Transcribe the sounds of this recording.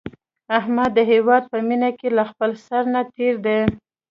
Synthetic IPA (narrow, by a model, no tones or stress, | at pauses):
ahmad̪ːəɦewɑd̪̚pəminakelaxpəlsaɾnat̪eɾd̪e